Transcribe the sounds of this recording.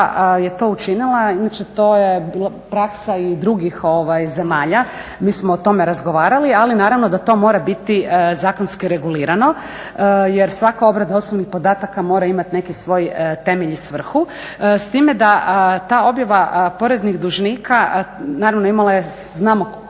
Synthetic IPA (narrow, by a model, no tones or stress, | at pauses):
je̞t̪o̞ut͡ʃinilˠainat͡ʃe̞t̪o̞ːjebiːla | pɾaksaid̪ɾuɡixo̞ʋajze̞maːʎa | miːsmoːt̪o̞meɾazɡo̞ʋaːɾalialinaːɾaʋno̞d̪at̪o̞mo̞ːɾabit̪izaːko̞nskiɾeɡuliːɾano̞ | jeɾsʋakao̞bɾed̪ao̞snobnixpod̪aːt̪akamo̞ːɾaimat̪ine̞kisʋo̞ːjət̪e̞meʎisʋr̩xu | st̪iːmjed̪aʔət̪aːo̞bjaʋapo̞ɾe̞znixd̪uʒnikanaːɾaʋnoimalajeznaːmok